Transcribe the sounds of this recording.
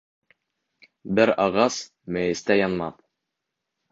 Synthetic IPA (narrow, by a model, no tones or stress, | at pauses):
bɘɾɑʁɑs | mæjɘ̆st̪æjɑnmɑð